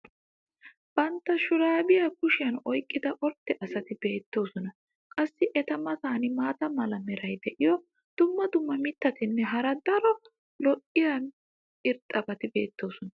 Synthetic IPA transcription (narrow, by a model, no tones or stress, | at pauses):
b̥ɐnt̪ːɐʃʊɾaːbɪjɐkʊʃɪjɐnɔjkʼːɪd̪ɐʔɔɾt̪ːɛʔɐsɐt̪ɪbe̞ːt̪ːo̞ːsɔnɐ | kʼɐsːɪʔɛt̪ɐmɐsaːnɪmaːt̪ɐmɐlɐmɛɾɐjd̪ɛʔɪjɔ | d̪̥ʊmːɐd̪ʊmːɐmɪt̪ːɐt̪ɪnːɛɦɐɾɐd̪ɐɾɔ | lɔʔɪjɐn | ɪɾt̪ʼːɐbɐt̪ɪbe̞ːt̪ːo̞ːsɔnɐ